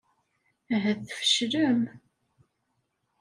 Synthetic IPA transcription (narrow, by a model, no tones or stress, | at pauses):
æɦæθfə̥ʃɾəm